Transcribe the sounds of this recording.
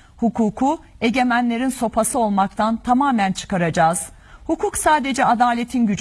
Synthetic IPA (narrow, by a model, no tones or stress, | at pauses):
hukʰuːkʰu | e̞ɟe̞mænlʲe̞ɾinso̞pʰasɯo̞lˠmak̚t̪ʰant̪ʰamaːmænt͡ʃʰɯ̥kaɾad͡ʒaːz̥ | hukʰuksaːd̪e̞d͡ʒɛad̪aːlʲe̞t̪ʰinɟyd͡ʒ